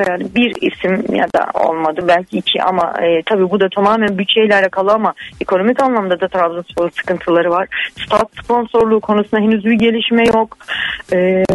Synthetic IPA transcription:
ɾabiɾḭsimja̰d̪a̰o̞̰lˠmad̪ɯbælʲcʰiːcʰiʔa̰ma̰ɯːt̪ʰabiːbud̪at̪ʰamaːmænbyt͡ʃʰːejlʲæɾlʲɛkʰalˠɯamaekʰo̞no̞micanlˠamd̪ad̪at̪ʰɾavzɯnsposɯ̥kɯnt̪ʰɯlˠaɾɯvaɾ̥st̪ʰat̪spʰo̞nso̞ɾlˠuːkʰo̞nusɯnd̪aɦenyzbiɟe̞lʲiʃmɛjo̞kɯː

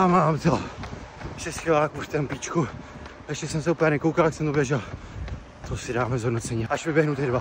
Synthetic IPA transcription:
amaːmt̪ɛ | ʃɛsxilaːkuʃt̪ɛmpit͡ʃku | ɛʃcɛsɛmsɛupɲɛnɛkowkalt̪aksɛmt̪objɛʒɛl | t̪osɪdaːmɛzɦodnot͡sɛɲiaʃmɪbjɛɦnut̪ɛdva

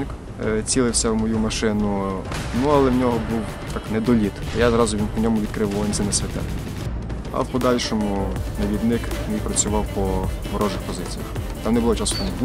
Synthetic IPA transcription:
k | t͡sʲilˠɪwsʲɐwmɔjumɐʃɪnʊnuɐlˠɛwnʲɔɦɔbuw | t̪ɑknɛd̪ɔlʲit̪ɐjazɾɑzʊʋʲinpɔnʲɔmʊʋʲid̪̚kɾɪʋʋinsɛnɛsʲʋʲɐt̪ɛ̰t̪ | ɐ̰wpɔd̪ɑlʲʃɔmʊnɐʋʲid̪nɪknɛjpɾɐt͡sʲʊʋɑwpɔ | mɔɾɔʒɪxpɔzɪt͡sʲijɐxt̪ɑmnɛbʊlˠɔt͡ʃɑskɔnb

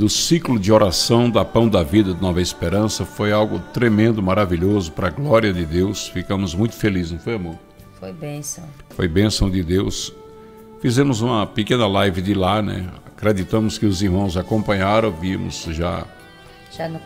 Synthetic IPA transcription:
d̪ʊsiklʊd͡ʒɪoɾasɐ̃w̃d̪ɐpɐ̃w̃d̪ɐvid̪ɐd̪ɪnɔvɐespeɾɐ̃sɐfojawɡʊt̪ɾemẽnd̪ʊmaɾaviʎozʊpɾɐɡlɔɾiɐd̪ɪd̪ewsfikɐ̃mʊzmũj̃t̪ʊ̥feliznɐ̃w̃fojamoɾ | fojbẽsɐ̃wfo̰jbẽsɐ̃w̃d̪ɪd̪ews | fizẽmʊzũmɐpekẽnɐlajvɪd̪ɪlanɛ̰akɾed͡ʒ̪it̪ɐ̃mʊskɪʊziɾmɐ̃w̃zakõmpɐ̃ɲaɾɐ̃w̃viɐmʊ̰zʒa̰ | ʒan

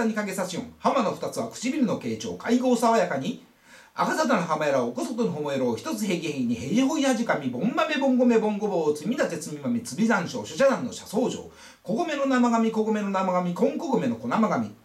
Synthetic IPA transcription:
aɲ̟ikaɡe̞saɕiõŋhamano̞ɸɯ̥t̪at͡sɨβakɯ̟̥t͡ɕibʲiɾʲino̞ke̞ːt͡ɕo̞̰ːkʰaiɡo̞ːsaβajakaɲ̟i | a̰kazad̪anaɦamajeɾaokosot̪onoɦomoeɾoːçi̥t̪o̞t͡sɨɦe̞ːk̬ʲihekʲiɲ̟ihe̞ɾihoinaʑikamʲibõ̞mbame̞bõ̞ŋɡo̞me̞bõ̞ŋɡo̞boːt͡sɨmʲid̪at̪e̞t͡sɨmʲimamʲit͡sɨbʲizãɰ̃ɕo̞ːɕoɕad̪ãnːo̞̰ɕaso̞ːʑo̰ː | ko̞ɡome̞no̞namaɡamʲikoɡome̞nonamaɡamʲikõ̞ŋkoɡɯme̞no̞ko̞namaɡamʲḭ

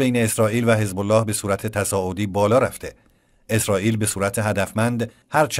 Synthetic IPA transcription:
ejneːsɾɒːʔiːlvæɦe̞zbolːɒːhbe̞suːɾæt̪ʰet̪ʰæsɒːʔod̪iːbɒːlɒːɾæft̪e̞ | esɾɒːʔiːlbe̞suːɾæt̪ʰe̞ɦæd̪æfmænd̪ | hæɾt͡ʃʰ

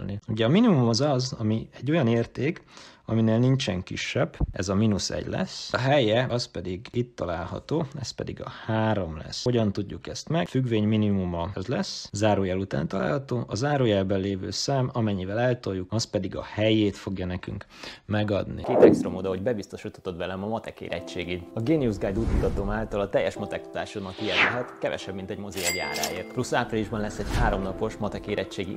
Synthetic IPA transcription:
lniuɟɛɒminimumɒzɒzɒmiɛɟːo̞jɒneːrt̪eːkɒmineːlnint͡ʃɛŋkḭʃːɛb̥ːɛ̰zɒminusɛ̰ɟlɛ̰sɒɦɛjɛɒspɛd̪iɡit̪ːɒlaːlɦɒ̰t̪oːɛspɛd̪iɡɒ̰haːɾo̞mlɛ̰sːo̞ɟɒnt̪uɟːukɛst̪mɛɡfyɡʋeːɲminimumɒɛzlɛszaːɾoːjɛlut̪a̰ːnt̪ɒla̰ːlhɒt̪oːʔɒzaːɾoːjɛlbɛnleːvø̰ːsaːmɒmɛɲːivɛlɛlt̪o̞jukɒspɛd̪iɡɒ̰hɛjeːt̪fo̞ɡjɒnɛky̰ŋk | mɛɡɒd̪nḭkeːt̪ɛkst̪ɾomod̪ɒɦo̞ɟbɛbist̪o̞ʃit̪o̥t̪o̞t̪vɛlɛmɒmɒt̪ɛkḛːɾɛ̰ct͡ʃːeːɡiːd̪ɒɡeːniuzɡaːjd̪uːt̪mut̪ɒt̪omaːlt̪ɒlɒt̪ɛjːɛʃmɒt̪ɛk̪u̥t̪aːʃonɒkiɛlɛɦɛt̪kɛvɛ̰ʃɛbmint̪ɛɟmo̞zejɛɡa̰ːɾa̰ːjḛːrt̪plusːaːpriliʒbɒnlɛsːɛɟhaːɾo̞mnɒpo̞ʃmɒt̪ɛkeːɾɛt͡ʃːeːɡḭ

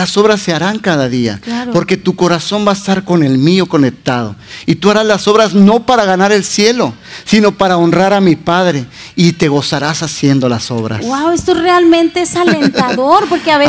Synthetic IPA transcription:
aso̞βɾasːe̞aɾaŋkaðaðia̰apo̞ɾke̞t̪uko̞ɾaso̞mbaest̪aɾko̞ne̞lmio̞ko̞ne̞k̚t̪aðo̞̰it̪uaɾazlaso̞βɾazno̞paɾaɣanaɾe̞lsje̞lo̞sino̞paɾao̞nraɾamipaðɾe̞ | it̪e̞ɣo̞saɾasasje̞nd̪o̞laso̞βɾa̰swawest̪orealmẽnt̪e̞esalnent̪aðoɾpo̞ɾkeaβe

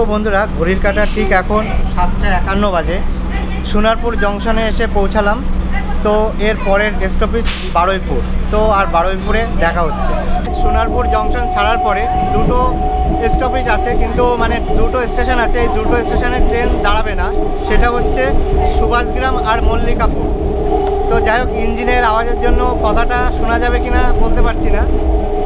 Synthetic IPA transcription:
obond̪ʱuɾaɡʱoɾiɾkaʈaʈʰikɛkʰonʃat̪̚d͡ʑaɛkanːobad͡ʑe | ʃunaɾpuɾd͡ʑɔŋʃoneeʃepowt͡ɕʰalamt̪oeɾpɔɾeɾesʈopiʃ | baɽojpuɾt̪oaɾbaɽojpuɾed̪ɛkʰaɦotːɕʰe | ʃunaɾpuɾd͡ʑɔŋʃont͡ɕʰaɽaɾpɔɾe | d̪ɾuʈoesʈopiʃat͡ɕʰekint̪umaned̪ɾuʈoesʈeʃonat͡ɕʰeejd̪ɾuʈoesʈeʃoneɾʈɾend̪aɽabena | ʃeʈaɦotːɕʰeʃubʱad͡ʑɡɾamaɾmolːikapuɾ | t̪od͡ʑajokind͡ʑineɾaoad͡ʑeɾd͡ʑonːokɔt̪ʰaʈaʃunad͡ʑabekinabolt̪epaɾt͡ɕʰina

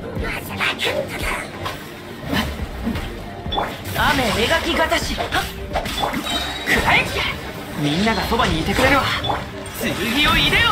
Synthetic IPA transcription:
a | ame̞eɡakʲiɡat̪aɕi | kʰɯɾaikia | mʲĩnːaɡaso̞baɲ̟iːt̪e̞kɯ̟ɾe̞ɾɯ̟βa | sɨɾiɡʲioiɾe

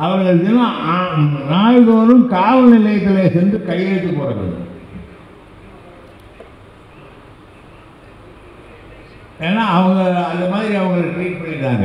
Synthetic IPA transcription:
ɐʋɐŋɡɐðɯnaː | naːjðoːɾɯmkaːʋɐnɪlɐjɐt̪ːɪleːsɛnd̪ɯkɐjeːʈːɯpoːɾɐʋɐ̰ | eːnːaːɐʋɐŋɡɐɐnd̪ɐmaːðɪɾiɐʋɐŋɡɐɭɐʈɾiːʈ̚pɐɳːɪʈːãːŋɡɐ̰

